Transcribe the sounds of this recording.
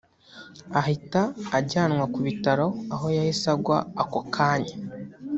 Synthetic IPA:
ahitaːɟaːnŋwakuβitaɾo̞aɦo̞jahisaɡwaːkokʰaːɲa

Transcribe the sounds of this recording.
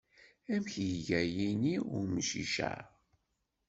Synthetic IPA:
æmçjʝæjiniʊ̰ɾmʃḭʃæ̰ɾ

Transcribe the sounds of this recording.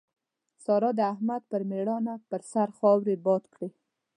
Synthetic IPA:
sɑɾɑd̪əahmad̪̚pəɾmeɽɑnapəɾsaɾxɑwɾebɑt̪kɽe

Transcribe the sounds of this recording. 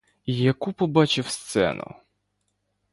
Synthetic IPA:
jakupɔbat͡ʃɪwst̪sɛ̰nʔṵ

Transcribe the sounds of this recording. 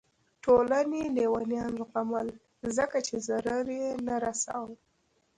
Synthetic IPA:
ʈʰolanenewanjɑnʊqamal | zəkat͡ʃezaɾaɾenaɾasa̰w

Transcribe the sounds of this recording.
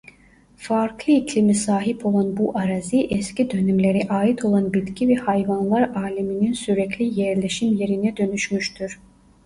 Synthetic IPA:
faɾkʰlˠɯicʰlʲimisaːɦipʰo̞lˠanbuʔaɾaziʔɛscid̪ø̞nymlʲe̞ɾiʔaːit̪ʰo̞lˠanbit̪cʰivɛhajvanlˠaɾaːlʲimininsyɾɛclʲijɛɾlʲeʃimje̞ɾinɛd̪ø̞nyʃmyʃt̪ʰyɾ̥

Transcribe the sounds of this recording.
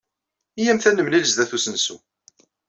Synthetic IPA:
ijæmθænəmnilzd̪æθusənsṵ

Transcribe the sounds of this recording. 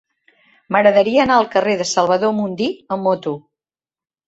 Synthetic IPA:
məɣɾəðəɾiəːnaəlˠkəreðəsəlˠβ̞əðomund̪iəmːot̪u

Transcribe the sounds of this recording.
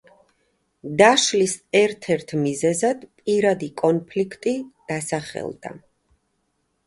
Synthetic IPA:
d̪aʃlisɛɾt̪ʰɛɾt̪ʰmizɛzad̪̥pʼiɾad̪ikʼɔnpʰlikʰt̪ʼid̪̥asaχɛ̰lˠd̪̥a̰

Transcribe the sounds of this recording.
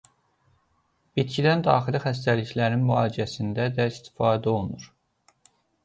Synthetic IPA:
bit̪cʰid̪ænd̪ɑ̰ːxilixæs̬t̪æliçlæɾinmyɑːd͡ʒiæsind̪æd̪æist̪ʰi̥fɑːd̪æo̞lˠnuɾ

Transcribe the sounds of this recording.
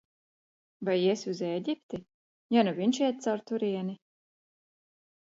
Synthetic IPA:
vajiɛsʲuzɛːɟʲip̚t̪i | januviɲʃiɛt̪̚t̪sawɾt̪uɾiɛni

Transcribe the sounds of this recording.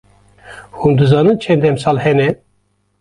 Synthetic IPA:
hund̪ɨzɑːnɨnt͡ʃʰɛnd̪ɛmsɑːlhɛnɛ

